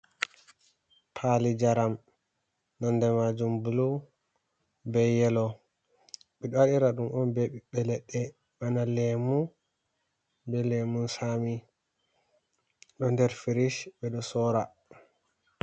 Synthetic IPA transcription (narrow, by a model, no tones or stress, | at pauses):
pʰalid͡ʒaɾam | nɔndɛmad͡ʒumbulu | bɛjɛlɔ | ɓɛɗɔwaɗiɾaɗumʔɔnbɛɓiɓɛlɛɗːɛ | manalɛmu | bɛlɛmunsami | ɗɔndɛɾfiɾiʃbɛɗɔsɔɾa